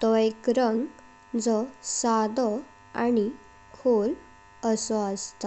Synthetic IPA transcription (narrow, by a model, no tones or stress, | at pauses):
t̪ɔekɾəŋɡ | d͡zɔsad̪ɔ | añi | kʰol | əsɔəst̪ɔ